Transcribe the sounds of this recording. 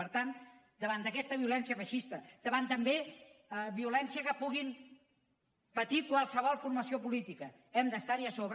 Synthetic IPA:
əɾt̪an | d̪əβand̪əkɛst̪əβiulɛnsijəβəʃist̪əd̪̥əβant̪əmbe | βiulɛnsiəkəpuɣim | pət̪ikwalˠsəβ̞ɔlˠfuɾməsiopulit̪ikə | ɛmd̪əst̪aɾiəsoβɾ

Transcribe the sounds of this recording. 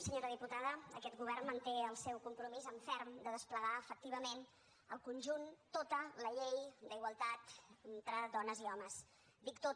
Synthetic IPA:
səɲoɾəðiput̪aðəəkɛt̪ɡuβɛrnmənt̪eəlˠsɛwkumpɾumizəɱfɛɾmd̪əðəspləɣaəfək̚t̪iβ̞əmen | ə̰lˠkunʲʒunt̪ot̪ələʎejd̪əiɣwəlˠt̪at̪ənt̪ɾəd̪ɔnəziɔməs | d̪ikt̪o

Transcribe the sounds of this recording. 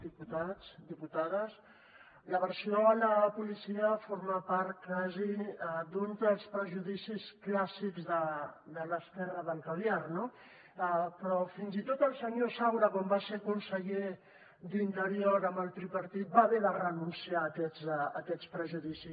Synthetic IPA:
d̪iput̪at͡sd̪iput̪aðəs | ləβəɾsioələpulisiəfoɾmapaɾt̪kazid̪unzəlˠspɾəʒuðisisklasikzðəd̪ələskɛrəðəŋkaljarno | pɾɔfinzit̪ot̪əlˠsəɲosawɾəkwambasekunsəʎe | d̪int̪əɾioɾəmbəlˠt̪ɾipəɾt̪it̪̚baβeðərənunsiaːkɛzəkɛt͡spɾəʒuðisi

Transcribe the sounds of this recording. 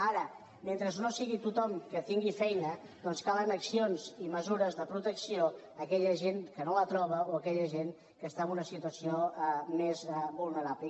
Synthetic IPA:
aɾə | ment̪ɾəznosiɣit̪ut̪ɔmkət̪iŋɡifɛjnə | d̪ɔnskalənəksionziməzuɾəzðəpɾut̪əksio | əkɛʎəʒenkənolət̪ɾɔβ̞əoəkɛʎəʒen | kəst̪aəmbunəsit̪uəsiomezbulˠnəɾaβlə

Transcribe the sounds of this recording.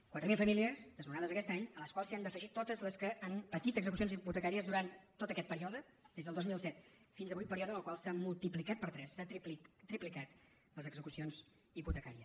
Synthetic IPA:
kwat̪ɾəmilˠfəmiliəzd̪əzmunaðəzəkɛst̪aɲələskwalˠsiand̪əfəʒit̪ot̪əzləskəːnpət̪it̪əɡzəkus̬ionziput̪əkaɾiəzðuɾant̪t̪ːot̪əkɛt̪̚pəɾiɔðə | d̪ezðəlˠd̪ozmilˠsɛt̪finzəβujt̪̚pəɾiɔðənəlˠkwalˠsamulˠt̪iplikat̪̚pəɾt̪ɾɛsːapt̪ɾiplikat̪ | ləzəɡzəkusionz | iput̪əkaɾiə

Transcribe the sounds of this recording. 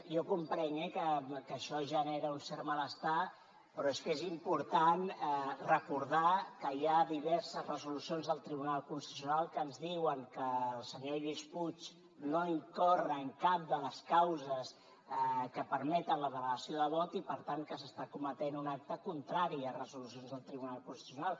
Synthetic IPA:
jokumpɾəɲɛkəkəʃɔʒəneɾəunsɛɾmələst̪a | pɾɔeskezimpuɾt̪anrəkuɾðakəjaðiβɛɾsəzrəzulusionzðəlˠt̪ɾiβ̞unalˠkunsəsiunalˠkəːnzðiwəŋkəːlˠsəɲeβisput͡ʃ | noiŋkorəːŋkap̚d̪ələskawzəs | kəpəɾmɛt̪ənləβələɣəsioðəβɔt̪ipəɾt̪aŋkəsəst̪akumət̪enunak̚t̪əkunt̪ɾaɾiərəzulusionzðəlˠt̪ɾiβunalˠkunst̪i̥t̪usunalˠ

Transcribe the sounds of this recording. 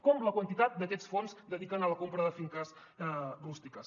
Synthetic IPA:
kɔmləkwənt̪it̪at̪̚d̪əkɛsfonzd̪əðikənələkompɾəðəfiŋkəs | rust̪ikəs

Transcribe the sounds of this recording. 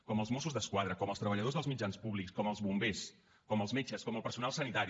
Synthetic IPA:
kɔməlˠzmɔsuzðəskwað̞ɾəkɔməlˠst̪ɾəβəʎəð̞ozðəlˠzmid͡ʒanspuβlikskɔməlˠzβumbes | kɔməlˠzmet͡ʃəskɔməlˠpəɾsunalˠsənit̪aɾi

